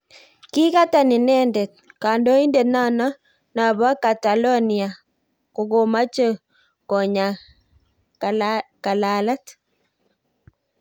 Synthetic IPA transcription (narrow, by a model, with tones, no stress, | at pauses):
kɪ˦ka˦ta˨nɪ˨nɛ˦ndɛ˨t̚ka˨ndo˦i˦ndɛ˨tna˦nɔ˦ | na˨βa˦ka˨ta˨lɔ˦ni˨a˨ | ko˨ɡo˨ma˦t͡ʃə˦ | kɔ˨ɲa˨ | ka˨la˨la˦t